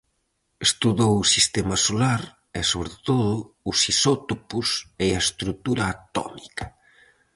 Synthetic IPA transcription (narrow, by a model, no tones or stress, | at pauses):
est̪uðowʊsist̪emɐsolaɾ | ɛsoβɾet̪oðʊːsisɔt̪opuseaest̪ɾut̪uɾɐːt̪ɔ̰mikɐ̥